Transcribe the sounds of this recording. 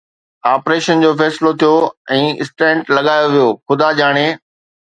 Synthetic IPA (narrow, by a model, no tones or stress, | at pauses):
aːpɾeːʃənd͡ʑoːfɛːsɪlot̪ʰijoɛ̃ːɪsʈɛ̃ːɳʈlɐɠaːjoʋijoːxʊd̪ʱad͡ʑaːɽ̃e